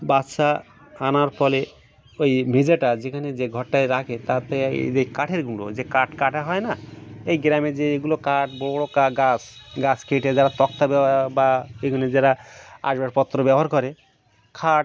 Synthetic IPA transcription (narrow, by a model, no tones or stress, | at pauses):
batʃa | anaɾpɔle | ojmed͡ʑaʈad͡ʒekʰaned͡ʑeɡʱɔʈːajɾakʰet̪ap̪ɛ̰ejkaʈʰeɾɡuɽo̰d͡ʑekaʈkaʈʰaɦɔenaejɡɾamed͡ʒeeɡulokaʈbooɽokaɡasɡaskeʈed͡ʒaɾat̪ɔk̚t̪abɛbaekʰuned͡ʒaɾaa̰ʃbaʈpɔt̪ːɾobɛboɦaɾkɔɾe | kʰaʈ